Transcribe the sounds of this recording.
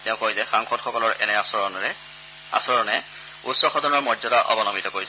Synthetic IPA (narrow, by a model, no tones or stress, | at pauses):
tɛʊ̃kojzɛxaŋxɔdxɔkɔlɔɹɛ̰nɛɔɔnɛ | a̰sɔɹɔnɛ | utsɔxɔdɔnɔɹmɔzɔdaʔɔ̰bɔnɔmitɔkoɹis